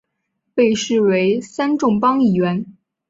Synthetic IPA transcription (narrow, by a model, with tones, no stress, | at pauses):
pe˥˧ɪʂɻ̩˥˩we˧˥ɪsa˥nʈ͡ʂʊ˥˩ŋpɑ˥ŋi˥˨˩ɥɛ˧˥n